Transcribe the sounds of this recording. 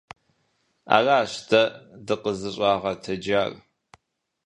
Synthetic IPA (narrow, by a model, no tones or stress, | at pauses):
a̰ːraːɕtʰɐdɨqəzɨɕʼaːʁɐtʰɐd͡ʒaːr